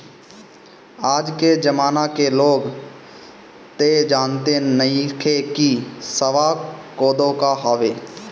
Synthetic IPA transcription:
aːd͡ʒked͡ʒəmaːnakeloːɡ | t̪ed͡ʒaːnt̪enəĩkʰekisəʋakoːd̪õkaɦoːʋeː

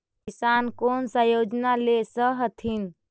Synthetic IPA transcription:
isankonsə̃jod͡ʒnalesəɦət̪ʰin

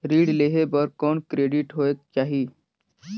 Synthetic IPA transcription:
ɾiːɽleɦebəɾkɔːɳkɾeɖiʈɦoek̚t͡ʃaɦi

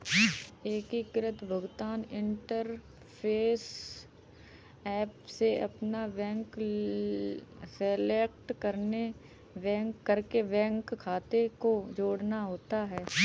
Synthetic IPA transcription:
eːkikɾət̪bʱəɡt̪aːnɪ̃ɳʈəɾ | pʰeːs | ɛːpseʔɐpnabɛ̃ːŋk | seleːkʈkəɾne | ʋɛ̃ːkːəɾkebɛ̃ːŋkkʰːaːt̪ekod͡ʒoːɽnaɦoːt̪aɦɛː

